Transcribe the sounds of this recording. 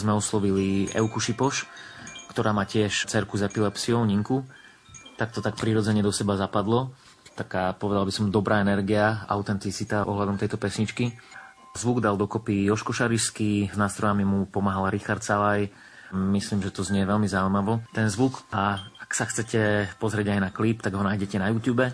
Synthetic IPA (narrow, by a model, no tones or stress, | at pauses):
zmɛɔslɔʋiliɛ̰ʊkuʃipɔʃkt̪ɔɾaːmaːcɪɛʃt͡sɛɾkuzɛpilɛpsiɔʊɲiŋku | t̪ak̚t̪ɔt̪ak̚pɾiɾɔd͡zɛɲɛd̪ɔsɛbazapad̪lɔ | t̪akaːpɔʋɛd̪albisɔmd̪ɔbɾʔaːɛnɛɾɡiaa̰ʊt̪ɛnt̪it͡sit̪aʔɔ̰ɦlad̪ɔmt̪ɛjt̪ɔpɛsɲit͡ʃki | zʋuɡd̪ald̪ɔkɔpiɔʃkɔʃaɾiʃskiznaːst̪ɾɔjamimupɔmaɦalɾixaɾt̪salaj | misliːmʒɛt̪ɔzɲɪɛʋɛlmizaʊuimaʋɔt̪ɛnzʋukaaksaxt͡sɛcɛpɔzɾɪɛɟajnaklip̚t̪aɡɦɔnaːjɟɛcɛnajuːt̪juːbɛ